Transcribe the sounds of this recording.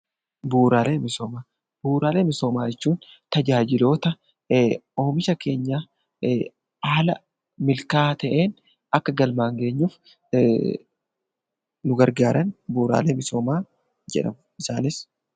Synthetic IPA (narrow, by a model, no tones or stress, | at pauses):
buːɾaːleːmɪso̞ːmaː | b̥uːɾaːleːmɪso̞ːmaːd͡ʒɛt͡ʃːuːn | t̪ɐd͡ʒaːd͡ʒɪlo̞ːt̪ɐ | oːmɪʃɐke̞ːɲːaː | aːlɐ | mɪlkaːt̪ɐʔe̞ːn | ʔɐkːɐɡɐlmaːŋɡe̞ːɲːuːf | nʊɡɐɾɡaːɾɐnbuːɾa̰ːleːmɪso̞ːmaː | d͡ʒɛ̰ᶑɐ̰mʊɪsaːnɪs